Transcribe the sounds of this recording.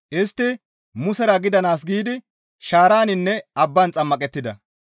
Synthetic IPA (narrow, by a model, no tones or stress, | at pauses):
ʔɪst̪ːɪ | mʊsɛɾɐɡɪd̪ɐnaːsɡiːd̪ɪ | ʃaːɾaːnɪnːɛɐbːɐnt͡sʼɐmːɐkʼɛt̪ːɪd̪ɐ